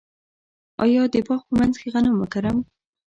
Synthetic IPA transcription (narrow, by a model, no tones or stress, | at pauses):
ɑ̰jɑd̪əpɑxpəmanzkeɣanamːəkaɾam